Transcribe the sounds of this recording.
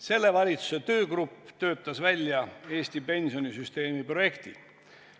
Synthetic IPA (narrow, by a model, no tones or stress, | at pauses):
se̞lːe̞vɑlʲit̪su̥se̞t̪ø̞ːɡrupːˑt̪ø̞ːt̪ˑːɑsvælʲjɑe̞ːsʲt̪ipe̞nʲsionisyst̪e̞ːmipro̞je̞kt̪i